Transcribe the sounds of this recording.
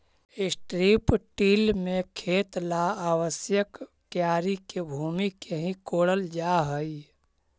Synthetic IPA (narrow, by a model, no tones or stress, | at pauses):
ɪsʈɾiːpʈiːlmẽkʰeːt̪laaːwəsjəkː | jaːɾikebʱuːmikeɦĩkoːɽəld͡ʒaːɦəi